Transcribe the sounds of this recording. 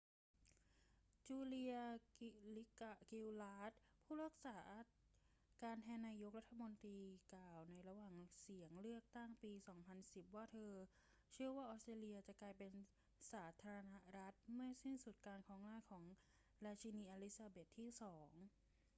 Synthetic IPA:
t͡ɕuː˧li˧ɐli˦˥kki˧wlaː˦˥t̪̚pʰuː˥˩ɾaː˥˩ək̚saː˩˦ʔa˥ | kaː˧npʰɛː˧naː˧jo˧˦˥k̚la˦˥t̪ʰːa˧mo˧nt̪ɾiː˧kaː˨˩wna˧jɾa˧waː˨˩ŋsi˩˦əŋlɯ˥˩ək̚t̪a˥˩ŋpiː˧sɔː˩˦ŋpʰa˧nsi˨˩p̚waː˥˩t̪ʰɤː˧ | t͡ɕʰɯ˥˩ɐwaː˥˩ʔɔː˦˥st̪ɾeː˧li˧ɐt͡ɕa˨˩ʔklaː˧jpe˧n | saː˩˦t̪ʰaː˧a˧na˦˥ɾa˦˥t̪̚mɯ˥˩ɐsi˦˥˩nsu˨˩t̪̚kaː˧nkʰɔː˩˦ŋnaː˥˩jkʰɔː˩˦ŋ | ɾaː˧t͡ɕʰi˧niː˧ʔaː˧li˦˥saː˧be˨˩t̪ʰːiː˥˩sɔː˩˦ŋ

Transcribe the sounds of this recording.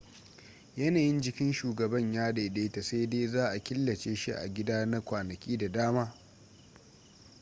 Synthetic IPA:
jɐ˦naː˨jɪ˦nd͡ʒɪ˨kʲɪ˦nʃuː˨ɡɐ˨bɐ˦ɲjaː˦deː˨deː˦ta˨sa˦jdeː˦zaː˦ʔa˨kʲɪ˦lːɐ˨t͡ʃeː˦ʃi˦ʔa̰˨ɡʲɪ˦daː˦na˦kʷaː˨nɐ˨kʲiː˦da˨daː˦maː˦

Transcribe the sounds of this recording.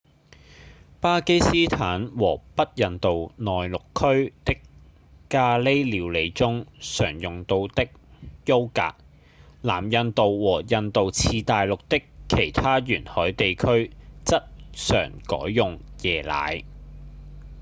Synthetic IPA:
paː˥ke˥jsiː˥t̪ʰaː˨˥nwɔː˨˩pɐ˥t̚jɐ˨nt̪o˨wnɔː˨jlʊ˨kʰːɵ˥ɥt̪ɪ˥kː | aː˧le˥jliː˨˧wle˨˧jt͡sʊ˥ŋsœ̰ː˨˩ŋjʊ˨ŋt̪o˧wt̪ɪ˥k̚jo˥wka̰ː˧˨k̚ | la̰ː˨˩mjɐ˨nt̪o˨wwɔː˨˩jɐ˧nt̪o˨wt͡sʰiː˧t̪aː˨jlʊ˨k̚t̪ɪ˥kʰːe˨˩jt̪ʰaː˥jyː˨˩nhɔː˨˥jt̪e˨jkʰɵ˥ɥt͡sɐ˥t̚sœ̰ː˨˩ŋkɔ̰ː˨˥jːʊ˨ŋ | jɛː˨la̰ː˨˥j

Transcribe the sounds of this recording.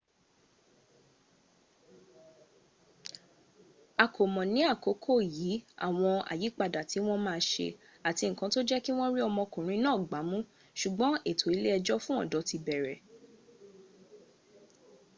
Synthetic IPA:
a˨kʰo˨mɔ̃˨nĩ˨˦a˦˨ko˨˦kʰo˦˨jiː˨˦a̰˦˨w̃ɔ̃˧a̰˨ji˨˦k͡pa˧da˨ti˨˦w̃ɔ̃˦mãː˦˧ʃḛ˧ | a˨ti˧ŋ̩˨kã˧˦to˦d͡ʒɛ˦ki˦w̃ɔ̃˦ɾi˦ɔ˧mɔ̃˧kũ˨ɾ̃ĩ˧nãː˦˨ɡ͡ba˨˦mũ˦ | ʃu˨ɡ͡bɔ̃˨˦e˦˨tʰo˨˦i˧˦le˦ɛ˧d͡ʒɔ˦fũ˦ɔ̰̃˦˨dɔ˨˦ti˧bɛ˨ɾɛ˨

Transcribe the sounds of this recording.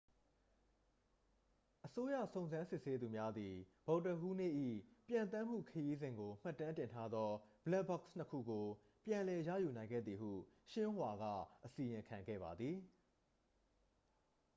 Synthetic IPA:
ʔəso˦ja̰˦˨sõ˨ʊ̃nzã˦nsɪ˦ʔse˦d̪u˨mja˦d̪i˨b̥o˨ʊtə˨hu˦nḛ˦˨ʔḭ˦˨pjã˨nt̪ã˦m̥ṵ˦˨kʰəji˦zɪ̃˨ŋɡo˨m̥a˦˨tːã˦ntɪ̃˨ntʰa˦d̪ɔ˦bəla˦bɔ˦ksnəkʰṵ˦˨ɡo˨ | pjã˨lɛ˨jä̰˦˨ju˨nã˨ɪ̃ŋɡɛ̰˦˨d̪ði˨ɦṵ˦˨ʃɪ̃˦wa˨ɡä̰˦˨ʔəsi˨jɪ̃˨kʰã˨ŋɡɛ̰˦˨ba˨d̪ði˨

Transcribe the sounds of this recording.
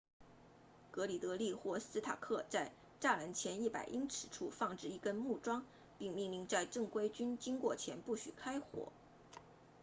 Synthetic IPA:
kɤ˧˥li˨˩t̪ɤ˧˥li˥˧xwɔ˥˩sɹ̩˥t̪ʰa̰˨˩kʰɤ˥˧t͡sa˥˧ɪ | ʈ͡ʂa˥˩la˧˥nt͡ɕʰjɛ˧˥ni˥˩pa̰˨˩ɪʔi˥ŋʈ͡ʂʰɻ̩˨˩ʈ͡ʂʰu˥˧fɑ˥˧ŋʈ͡ʂɻ̩˥˩i˧˥˩kə˥nmu˥˩ʈ͡ʂwɑ˥ŋ | pi˥˧ŋmi˥˧nli˥˧ŋt͡sa˥˧ɪʈ͡ʂɤ˥˩ŋkwe˥ɪt͡ɕy˥nt͡ɕi˥ŋkwɔ˥˩t͡ɕʰjɛ˧˥npu˥˩ɕy̰˨˩kʰa˥ɪxwɔ̰˨˩˦

